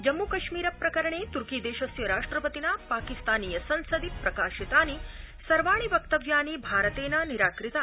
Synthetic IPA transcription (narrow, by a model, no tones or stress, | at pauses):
d͡ʒɐmːukɐʃmiːɾɐpɾɐkɐɾɐɳeːt̪uɾkiːd̪eːʃɐsjɐɾaːʂʈɾɐpɐt̪inɐpaːkist̪aːnijɐsɐnsɐd̪ipɾɐkaːʃit̪aːni | sɐɾʋaːɳ̃iʋɐkt̪ɐʋjaːnibʱaːɾɐt̪eːnɐniɾaːkɾit̪ɐ